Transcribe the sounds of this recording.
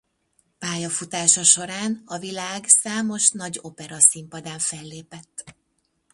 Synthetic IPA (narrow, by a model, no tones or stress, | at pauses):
paːjɒfut̪aːʃɒʃo̞ɾaːnɒvilaːɡsaːmo̞ʃnɒɟo̞pɛɾɒsimpɒd̪aːɱfɛlːeːpɛt̪ː